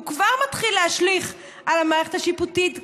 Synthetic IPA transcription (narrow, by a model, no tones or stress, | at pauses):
ukvaʁmatχilːehaʃliχ | ʔalamaːʁe̞χethaʃiputit